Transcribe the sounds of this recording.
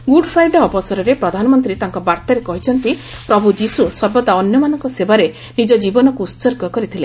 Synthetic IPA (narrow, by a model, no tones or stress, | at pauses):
ɡuɖpʰɾajɖɔːbɔsɔɾɔɾepɾɔd̪ʱanɔmɔnt̪ɾit̪aŋkɔbaɾt̪aɾekɔɦit͡ʃʰɔnt̪ipɾɔbʱud͡ʒisusɔɾbɔt̪aɔnjɔmanɔŋkɔsebaɾe | nid͡ʒɔd͡ʒibɔnɔkuːsɔɾɡɔkɔɾit̪ʰile